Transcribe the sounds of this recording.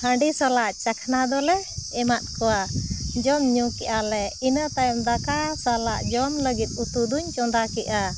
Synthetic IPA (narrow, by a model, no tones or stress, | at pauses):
hə̃ɳɖisɔlaʔt͡ʃakʰnad̪ɔlɛɛmat̪̚kɔwad͡ʒɔmɲukɛʔalɛinət̪ajɔmd̪akasalaʔd͡ʒɔmləɡit̪̚ˀut̪ud̪uɲt͡ʃɔnd̪akɛʔa